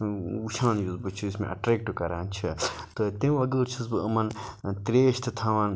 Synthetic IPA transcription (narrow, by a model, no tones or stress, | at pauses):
uʃʰãːnjuzbɨt͡ʃʰiismḛ̃ʔɐ̰ʈɾeːk̚ʈɨkɐɾant͡ʃʰit̪ɨt̪ẽɐɡəːɾt͡ʃʰisbɨɐmɐnt̪ɾeːʃt̪ɨt̪ʰaːʋɐn